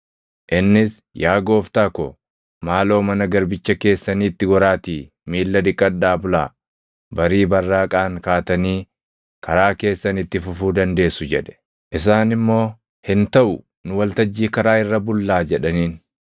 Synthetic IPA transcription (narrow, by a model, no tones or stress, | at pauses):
ʔɪnːɪs | jaːɡo̞ːft̪aːkɔ | maːlo̞ːmɐnɐɡɐɾbɪt͡ʃːɐke̞ːsːɐniːɪt̪ːɪɡɔɾaːt̪iː | miːlːɐd̪ɪkʼːɐdːaːbʊlaː | bɐɾiːbɐrːaːkʼaːŋkaːt̪ɐniː | kɐɾaːke̞ːsːɐnɪt̪ːɪfʊfuːd̪ɐnd̪e̞ːsʊd͡ʒɛᶑɛ̥ | ʔɪs̬aːnɪmːo̞ː | hɪnt̪ɐʔʊ | nʊwɐlt̪ɐd͡ʒːiːkɐɾaːɪrːɐbʊlːaːd͡ʒɛᶑɐniːn